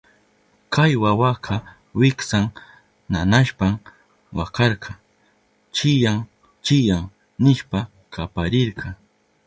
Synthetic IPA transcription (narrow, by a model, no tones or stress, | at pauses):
kʰajwawaqʰɑ | wɪksaŋ | nanaʃpam | wakɑɾqʰɑ | t͡ʃɪjaŋ | t͡ʃɪjaŋ | nɪʃpa | kʰapaɾɪɾqʰɑ